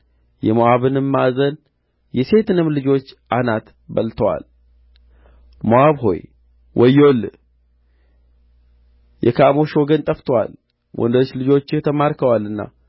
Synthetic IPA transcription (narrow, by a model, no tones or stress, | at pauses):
jɛmoaβɨnɨmːazən | jɛse̞t̪ɨnɨmlɨd͡ʒo̞t͡ʃːʔanat̪ | bəlt̪ʰəwa̰l | moaβɦo̞̰j | wʔɔjːol | jʔɛkʰamoʃoɡənt̪ʼəft̪ʰəwa̰l | wʔɔ̰nd̪ət͡ʃːlɨd͡ʒo̞t͡ʃːɪt̪ʰəmaɾkʰəwalɨnːa̰